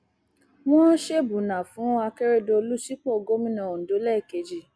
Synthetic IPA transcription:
wɔ̃˦ʃe˦˨bu˨nã˨fũ˨˦a˧kɛ˦ɾe˦do˧lu˦si˦k͡pɔ˦˨ɡo˦mĩ˦nã˨o˨do˨˦lɛ˦˨ke˨˦d͡ʒi˦˨

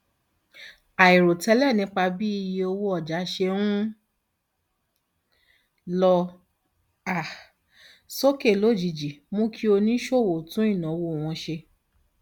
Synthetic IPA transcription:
a˨i˨ɾo˨tɛ˨˦lɛ˦˨nĩ˧˦k͡pa˧bi˦i˧je˧o˧wo˧˦ɔ˦˨d͡ʒa˨˦ʃe˧wũ˦ | lɔ˧ | a˨ | so˦ke˦˨lo˨˦˨d͡ʒi˨d͡ʒi˨mũ˦kʰi˦o˧nĩ˦ʃo˦˨wo˨tũ˨˦i˦˨nã˨˦wo˧o˨w̃ɔ̃˧ʃe˧

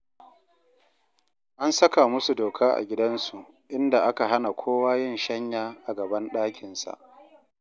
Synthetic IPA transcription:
ʔa˦nsɐ˦ka˨mʊ˦su˨doː˨kʰaː˦ʔa̰˨ɡʲɪ˦dɐ˦nsu˨ʔ | ʔɪ˦nda˨ʔa˦ka˨ɦa˦na˨kʷʰoː˦waː˦jɪ˦˨nʃɐ˦ɲjaː˦ʔa˨ɡɐ˨bɐ˦nɗaː˦kʲɪ˨nsa̰˨ʔ

